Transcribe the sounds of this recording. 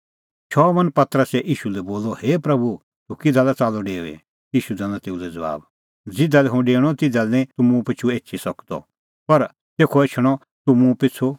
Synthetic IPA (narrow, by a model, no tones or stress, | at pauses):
t͡ʃʰɔːmɐ̃npɐt̪ɾəsɛʔiːʃulɛboːlɔheːpɾɐbu | t̪ukɪd̪ʱaːlɛt͡saːlɔɖeːʋɛ̰ | iːʃud̪ɐ̃nãt̪eːulɛd͡zɐʋa̰ːb | d͡zɪd̪alɛɦũɖeːɽ̃ɔt̪ɪd̪alɛnĩt̪ʊmũpɪt͡ʃʰueːtt͡ʃʰisɐkd̪ɔ̰ | pɐɾ | t̪eːkʰɔet͡ʃʰɽ̃ɔ | t̪ʊmũpɪt͡sʰu